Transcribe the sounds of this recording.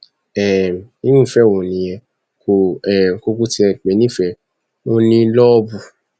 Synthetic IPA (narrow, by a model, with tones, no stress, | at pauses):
ɛ˨m˨i˦nũ˦˨fɛ˦˨õ˨nĩ˨jɛ˧ | ko˨ɛ˨ko˧ku˦ti˧ɛ˨k͡pɛ˨nĩ˦˨fɛ˨ | wo˦nĩ˧˦lɔ˦bu˧